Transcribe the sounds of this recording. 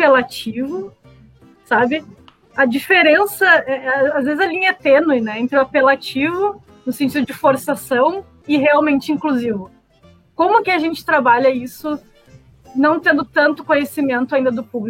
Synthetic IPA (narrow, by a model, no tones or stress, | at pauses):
apelat͡ʃivʊ | sabɪ | ɐd͡ʒifeɾẽsɐɛazvezɪzɐlĩɲɐɛt̪ẽnuɪnɛẽnt̪ɾɪʊapelat͡ʃivʊ | nʊsẽt͡ʃid̪ʊd͡ʒɪfoɾsasɐ̃w̃ | ɪɦeawmẽnt͡ʃɪĩŋkluzivʊ | kõmʊkɪaʒẽnt͡ʃɪ̥t̪ɾabaʎɐisʊ | nɐ̃w̃t̪ẽnd̪ʊt̪ɐ̃nt̪ʊ̥kõɲesimẽnt̪ʊaĩnd̪ɐd̪ʊpubli